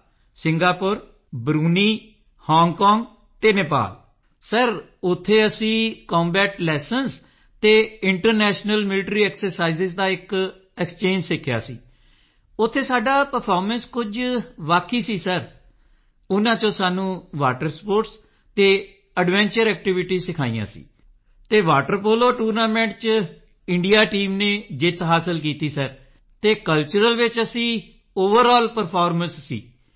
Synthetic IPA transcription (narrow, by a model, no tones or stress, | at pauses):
sɪ̃ŋɡaːpʊɾ | bɾuːniː | hɔːŋɡkɔːŋɡ | t̪eːneːpa̰ːl | səɾ | ʊt̪ʰːeːəsĩːkɔ̃ːmbɛːʈlɛːsəns | t̪eːɪɳʈəɾnɛːʃnəlmɪlɪʈɾiːɛːksəɾsaːiːzɪzd̪aːɪk | ɛkst͡ʃẽːɲd͡ʒsɪkʰːja̰ːsḭː | ʊt̪ʰːeːsaːɖaːpəɾpʰɔːɾmə̃nskʊd͡ʒʋaːkʰːiːsiːsəɾ | ʊnãːt͡ʃõːsaːnũːʋaːʈəɾspoːɾʈs | t̪eː | əɖʋɛ̃ːɲt͡ʃəɾɛːk̚ʈɪʋɪʈiːsɪkʰaːḭjã̰ːsḭː | t̪eːʋaːʈəɾpoːloːʈuːɾnaːmɛ̃ːɳʈt͡ʃ | ɪɳɖijaːʈiːmnẽːd͡ʒɪt̪ɦaːsəlkiːt̪iːsəɾ | t̪eːkəlt͡ʃəɾəlʋɪt͡ʃəsĩː | oːʋəɾɔːlpəɾpʰaːɾmə̃nsːḭː